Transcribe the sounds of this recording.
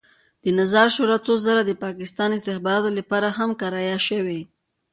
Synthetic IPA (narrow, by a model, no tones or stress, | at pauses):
d̪̥ənazɑɾʃoɾat͡sozaɾad̪əpɑkɪst̪ɑnɪst̪ɪxbɑɾɑt̪olapɑɾaɦamkaɾɑjaʃəwe